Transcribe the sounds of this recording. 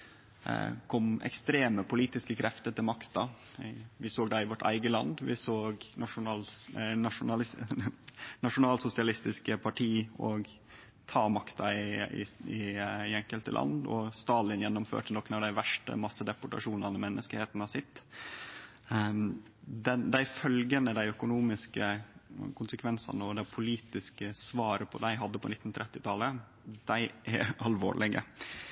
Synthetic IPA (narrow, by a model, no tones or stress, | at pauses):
kʰɔmɛ̰kst̪ɾeːməpʰʊliːt̪ɪskəkʰɾɛft̪ət̪ɪlmɑkt̪ɑ | ʋɪsoːɡ̚d̪ɑɪʋɔʈæ̰ɪɡəlɑ̰nd̪ʋɪsoːɡnɑʂʊɑnʂʊnɑlɪ | nɑʂʊnɑːlsʊsɪɑlɪst̪ɪskəpʰɑʈʰiːɔɡ | t̪ʰɑːmɑkt̪ʰɑɪɪ̰ɪɛŋkəlt̪ə̰lʔɑ̰nd̪ɔ̰st̪ɑːlɪnjɛnːʊmfø̰ːʈənɔkːənɑʋd̪æɪʋæʂʈə̰mɑsːəd̪ɛpʊʈɑ̰ʂuːnɑnəmɛnːʔəskəheːt̪n̩ɑsɪt̪ː | d̪ɛnd̪æɪfœlɡənəd̪æɪœkʊnuːmɪskəkʰʊnsəkʰʋɛnsɑ̰nəɔd̪æɪpʰʊliːt̪ɪskəsʋɑːɾəpʰɔ̰d̪æɪɦɑd̪ːəpɔnɪt̪ːn̩t̪ʰɾɛt̪ːɪt̪ʰɑlə | d̪̥æɪʔɛɾʔɑlʋo̰ːɭɪɡə̰